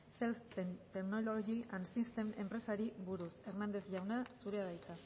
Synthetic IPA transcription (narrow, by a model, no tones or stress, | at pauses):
selst̪ent̪eknololoɣiansist̪eme̞mpɾe̞saɾiβuɾuse̞ɾnand̪e̞θʝawnasuɾeaðajt̪a